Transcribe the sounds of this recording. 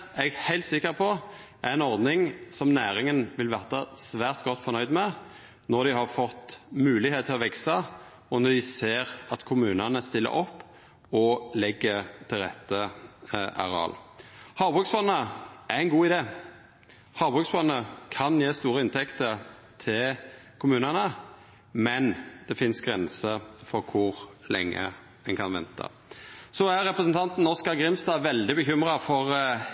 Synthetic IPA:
ɛɡhæɪlt̪sɪkːəɾpʰɔ | æʁɛnɔʁd̪nɪŋsɔmnæːɾɪŋənʋɪlʋæʁt̪ɑsʋæːʁt̪ɡɔt̪ːfɔʁnœʏd̪mɛ | nɔʁd̪ɪhɑʁfɔt̪ːmʉːlɪheːt̪t̪ʰɪlɔʋɛksɑ | ɔnɔd̪ɪseːʁɑt̪kʰʊmʉːnɑnəst̪ɪlːə̰ʔɔpː | ɔlɛɡːət̪ʰɪlʁɛt̪ːə | ʔɑ̰ʁɛɑ̰lhɑːʁbʁʉksʋɔnːəʔæʁæɪnɡuːɪd̪eː | hɑːbʁʉksfɔnːəkʰɑnjeːst̪uːɾəɪnt̪ʰɛkt̪ə | t̪ʰɪlkʰʊmʉːnənə | mɛnd̪̥ɛfɪnsɡɾɛnsəfɔɾkʰʊʁlɛ̰ŋːə̰ | ɛnŋkʰɑnʋɛ̰nt̪ʰɑ̰ | sɔæɾɛpɾəsənt̪ʰɑnt̪n̩ɔskɑɾɡɾɪmst̪ɑːʋɛld̪ɪbəçʏmʁɑfɔʁ

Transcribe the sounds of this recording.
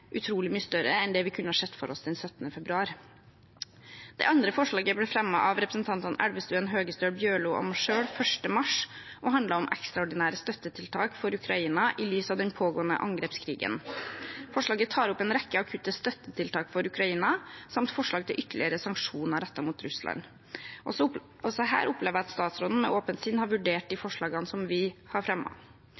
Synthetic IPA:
ʔʉt̪ʰɾuːlɪmyːəst̪œɾəɛnd̪ɛːʋɪkʰʉnəhɑːʂɛt̪ːfɔɾɔsd̪ɛnsœt̪nəfɛbɾʉɑːɾ | d̪̥ɛ̰ʔɑnd̪ɾəfɔʂɭɑːɡəbɽɛfɾɛmːəʔɑʋɾɛpɾəsn̩t̪ʰɑnt̪ənæ̰ɽʋəst̪ʉːənɦøːɡəst̪øːɽbjøːɭʊːʔɔ̰mʂøːɽfœʂʈəmɑʂʔɔɦɑnd̪ləɾɔmʔɛ̰kst̪ɾɑɔɖɪnæːɾəst̪œt̪ːət̪ʰɪlt̪ʰɑːkfɔɾʉkʰɾɑiːnɑʔɪlyːsɑːʋd̪ɛnpʰoːɡoːənə̰ʔɑŋɡɾeːpskʰɾiːɡə̰nfɔʂɭɑːɡət̪ʰɑːɾʊpːeːnɾɛkːəɑkʰʉt̪ːəst̪œt̪ːət̪ʰɪlt̪ʰɑːkfɔɾʉkɾɑiːnɑsɑmt̪fɔʂɭɑːɡ̚t̪ʰɪlʔʏt̪ːəɭɪəɾəsɑŋkʂuːnɑɾɛt̪ːɑmuːt̪ɾʉslɑ̰n | ɔsɔɦæ̰ːɾʔʊpleːʋəæɑt̪st̪ɑːt̪sɾoːd̪n̩mɛʔoːpənt̪sɪnhɑɾʋʉɖeːʈ̚d̪ɪfɔʂɭɑːɡɑnsɔmʋɪhɑɾfɾɛmːɑ̰

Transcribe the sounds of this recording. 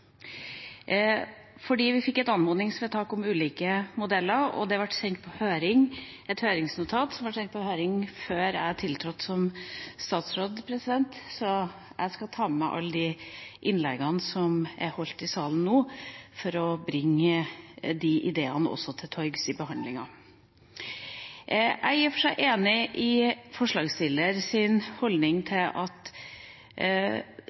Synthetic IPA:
fɔɖiːʋɪfɪkːɛt̪ɑnmoːnɪŋsɔʋɛt̪ʰɑːkɔmʉːliːkəmʊd̪ɛlːəɾɔ̰d̪ɛɑʋɑʈsɛŋkt̪̚pʰɔhøːɾɪŋɛt̪høːɾɪŋsnʊt̪ʰɑːt̪sɔmʋɑʈsɛŋkt̪̚pɔhøːɾɪŋføːɾæ̰ɪhɑʈʰɪlt̪ʰɾɔt̪ːsɔmst̪ɑːt̪sɾoːd̪pʰɾɛsɪd̪ɛnt̪sɔ | æ̰ɪskɑt̪ʰɑːmɛʔɑ̰lːəd̪iʔɪnlɛɡɑnsɔmæ̰ɾhɔlt̪ɪsɑːln̩ːoːfɔɾɔbɾɪŋːəd̪iʔɪd̪eːənəɔ̰sːɔt̪ʰɪlt̪ʰɔʏɡsɪbəhɑnd̪lɪŋɑ̰ | ʔæ̰ɪjiːfɔʂæɪʔeːnɪʔɪfɔʂɭɑːɡst̪ɪləɾsɪnhɔld̪nɪŋt̪ʰɪlʔɑt̪

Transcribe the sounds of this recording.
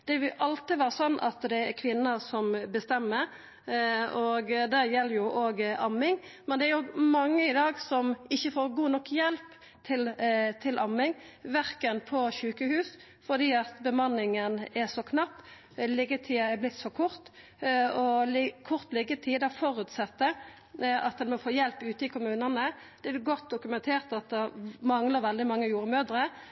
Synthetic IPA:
d̪̥ɛʋɪlʔɑlt̪ɪʋæːɾəsɔnːʔɑ̰t̪d̪ɛækʰʋɪnːəsɔmbəst̪ɛmːəɾ | oɡd̪æːɾjɛlːəɾjʊʔoːɡʔɑmːɪŋmɛnd̪ɛæɾjʊmɑŋːəɪd̪ɑːɡsɔmɪçːəfoːʁɡuːnɔkːjɛlp | t̪ʰɪlt̪ʰɪlʔɑmːɪŋʋæɾkənpʰɔçʉːkəhʉːs | fɔʁd̪iːɑt̪bəmɑnːɪŋənɛsɔkʰnɑpː | lɪɡət̪ʰiːəɛblɪt̪ːsɔkʰʊɾt̪ | ɔlɪkʰʊʁt̪lɪɡət̪ʰiːd̪ɑfɔɾʉt̪sɑt̪ːə | ɑt̪̚d̪ɛnmɛfoːjɛlpʉːt̪əɪkʰʊmʉːnənə | d̪̥ɛɡɔt̪̚d̪ʊkʉmɛnt̪ʰeːʁt̪ɑt̪̚d̪ɛmɑŋləʁʋɛld̪ɪmɑŋːəjuːɾəmøːd̪ɾə

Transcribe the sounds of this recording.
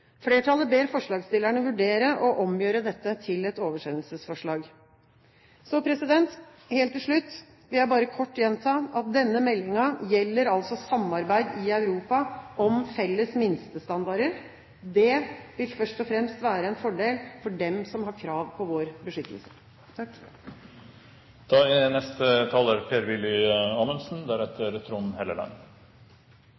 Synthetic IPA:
fleːʈʰɑlːəbeːɾfɔʂɭɑːɡst̪ɪlːæɳəʋʉɖeːɾəʔɔʔɔmjøːɾəd̪ɛt̪ːət̪ʰɪlɛt̪oːʋəʂɛnlsəsfɔʂɭɑːɡ | sɔpʰɾɛsɪd̪ɛnt̪ | heːlt̪ːɪlʂɭʉt̪ː | ʋɪljæɪbɑːɾəkʰɔʈːjɛnt̪ʰɑːʔɑt̪̚d̪ɛnːəmɛlːɪŋɑjɛlːəɾɑlsɔsɑmːɑɾbæɪd̪ɪœʉɾuːpɑʔɔmfɛlːəsmɪnst̪əst̪ɑnd̪ɑɾəɾ | d̪ɛʋɪlfœʂʈɔfɾɛmst̪ʋæːɾəɛnfɔɖeːlfɔɖɛmsɔmɦɑɾkʰɾɑːʋpʰɔʋoːɾbəʂʏt̪ʰːəlsə̥ | t̪ʰɑːɪnɛst̪ət̪ʰɑːləɾpʰeːɾʋɪlːɪɑːmənsn̩d̪æɾɛt̪ʰəɾɛt̪ɾunn̩heːlə̰lɑ̰ːŋ

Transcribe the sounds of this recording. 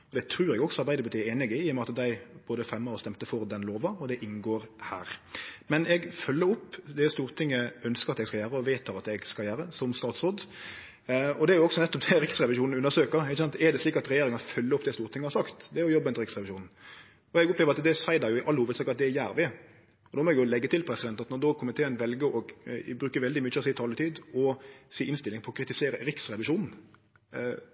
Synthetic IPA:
ɔd̪ɛt̪ʰɾʉːɾɛɡɔksɔɑɾbæɪd̪əbət̪ʰiːeːnɪɡɪɪjɔmɛɑt̪d̪æɪboːd̪əfɾɛmːəɾɔst̪ɛmt̪əfɔɾd̪ɛnloːʋɑɔd̪ɛʔɪnɡoːɾhæ̰ːɾmɛnɛɡfœlːəɾʊpːd̪ɛst̪uːɾt̪ʰɪŋːəœnskəɾɑt̪ɛɡskɑjæːɾəɔʋeɪt̪ʰːɑːʁɑt̪ɛɡskɑljæːɾəsɔmst̪ɑːt̪sɔd̪ | ɔd̪ɛæɾjʊɔksɔnɛt̪ːɔp̚d̪ɛɾɪksɾɛʋɪʂuːnn̩ʉnəɾsøːkəʁɪçːsɑnt̪ɛɾd̪ɛsliːkɑt̪ɾɛjeːɾɪŋɑnfœlːəɾʊp̚d̪ɛst̪uːɾt̪ʰɪŋəhɑɾsɑkt̪d̪ɛæɾjʊjɔbːəɛnɾɪksʁɛʋɪʂuːnn̩ | ɔɛɡʊpleːʋɾɑt̪d̪ɛsæɪd̪ɑjʊɪʔɑlːəhuːʋəd̪sɑːkɑt̪̚d̪ɛæɾjæːɾʋɪ | ɔd̪oːmɔɛɡjʊlɛɡːət̪ɪlpʰɾɛsɪd̪ɛnt̪ɑt̪nɔd̪oːkʰɔmːənt̪ʰeːɾənʋɛlɡəɔɡbɾʉːkəʋɛld̪ɪmyːt͡ʃːəɔsiːt̪ʰɑːlət̪ʰiːd̪ɔsiːʔɪnst̪ɪlːɪŋpʰɔɔkʰɾɪt̪ɪseːɾəɾɪksɾɛʋɪʂuːnn̩

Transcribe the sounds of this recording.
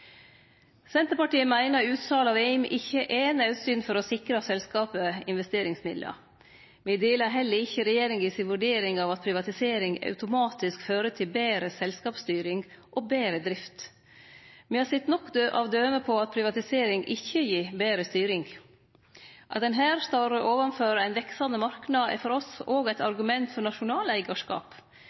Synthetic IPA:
sɛnt̪əɾpɑʈiːəmæɪnəɾʉːt̪sɑːlɑʋɛɪmʔɪçːəʔeːnɑʉt̪syːnfɔɾɔsɪkɾɑsɛlskɑːpəɪ̰nʋɛst̪eːɾɪŋsmɪd̪lə̰ | mɪːd̪eːləɾɦɛlːəɾɪçːəɾɛjeːɾɪŋjiːsɪnʋʉɖeːɾɪŋɑːʋɑt̪̚pʰɾɪʋɑt̪ɪseːɾɪŋɑ̰ʉt̪ʊmɑːt̪ɪskføːɾət̪ʰɪlbeːɾəsɛlskɑːpst̪yːɾɪŋɡ | ʔɔbeːɾəd̪ɾɪft̪ | mɪhɑːsɛt̪nɔkːd̪øːʔɑ̰ʋd̪øːməpʰɔɑt̪̚pʰɾɪʋɑt̪ɪseːɾɪŋʔɪçːəjiːbeːɾəst̪yːɾɪŋɡ | ʔɑt̪̚d̪ɛnɦæːɾst̪ɑɾəʔoːʋɑmføːɾəæɪnʋɛksɑnəmɑɾknɑd̪̰fɔɾɔsoːɡæɪt̪ɑɾɡʉmɛnt̪fɔɾɳɑʂʊnɑːlæɪɡɑʂkɑ̰ːp

